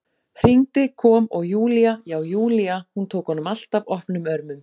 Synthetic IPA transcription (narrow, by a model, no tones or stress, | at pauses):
hr̥iŋt̪ɪkʰɔːmɔɣjuːliajaːwjuːliahunt̪ʰoːwkhɔnːʏmal̥t̪avɔhpnʏmœɾmʏm